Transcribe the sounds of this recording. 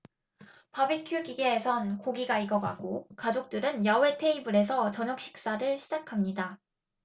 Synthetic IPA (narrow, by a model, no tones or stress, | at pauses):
pabikʰjuɡiɡeːsʰʌnkoɡiɡaiɡʌɡa̰ɡokad͡ʑok̚t͈ɯɾɯnjawe̞tʰe̞ibɯɾe̞sʰʌt͡ɕʌɲʌk̚ɕ͈i̥k̚s͈aɾɯɭɕʰid͡ʑakʰamɲida